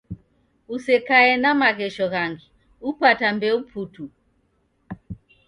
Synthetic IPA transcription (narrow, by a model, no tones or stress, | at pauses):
usɛkaɛnamaɣɛʃɔɣaŋɡi | upatambɛupʰutu